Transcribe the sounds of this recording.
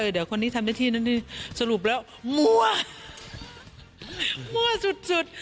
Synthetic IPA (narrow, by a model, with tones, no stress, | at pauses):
ɤː˧˩dɯ˨˦ɐkʰo˧nːiː˦˥t̪ʰa˧mnaː˧˥˩t̪ʰiː˧na˧˥˩niː˧˩sa˧ɾu˨˩p̬̚lɛː˦˥w | mu˧˩ɐ | mu˧ɐsu˨˩t̪̚su˨˩t̪̚